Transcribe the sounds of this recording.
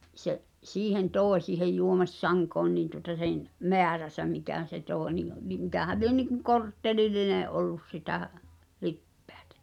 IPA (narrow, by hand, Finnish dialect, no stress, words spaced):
seʔ siːhen toˑe siːhej juomi̞sːɑŋkoːn niːn tuŏtɑ sen meæræsæ mikæˑn̞ se toˑe nin̆ ni mikæhæl̆ lie niŋkuŋ kortːelilːineʔ ʔolːus sitæ lipːe̥æ̥tæ̥